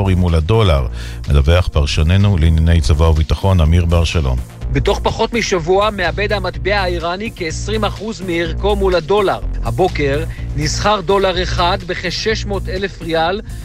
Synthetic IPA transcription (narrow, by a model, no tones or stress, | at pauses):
oʁimulado̞laʁ | medaveaχpaʁʃone̞nuliːnjane̞jt͡savauvit̪aχo̞namiʁbeaʁʃalo̞̰n | beto̞χpaχo̞tmiʃavuame̞abe̞dhamat̪beaiʁanikeːsʁimaχuzmiːʁko̞mulado̞laʁhabo̞ke̞ʁnizχaʁdo̞laʁeχad̪beχeʃe̞ʃmo̞tele̞fʁial